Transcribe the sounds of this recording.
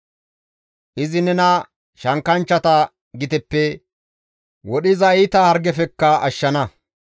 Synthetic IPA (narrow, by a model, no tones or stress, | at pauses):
ʔɪzɪnɛnɐ | ʃɐŋkɐnt͡ʃːɐt̪ɐ | ɡɪt̪ɛpːɛ | wɔɗɪzɐjt̪ɐhɐɾɡɛfɛkːɐɐʃːɐnɐ